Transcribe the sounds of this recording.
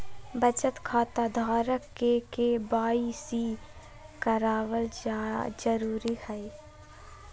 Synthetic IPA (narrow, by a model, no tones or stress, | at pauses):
bət͡ʃət̪kʰaːt̪ad̪ʱaːɾəkːekebaːisi | kəɾaːwəld͡ʒəɾuːɾihɐi